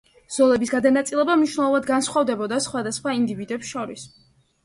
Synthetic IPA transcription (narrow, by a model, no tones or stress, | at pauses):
z̥ɔlɛbisɡad̪anat̪sʼilˠɛbamniʃvnɛlˠɔvad̪ɡansχwɔvd̪ɛbɔd̪asχwad̪asχwaind̪ivid̪ɛpsʃɔɾḭs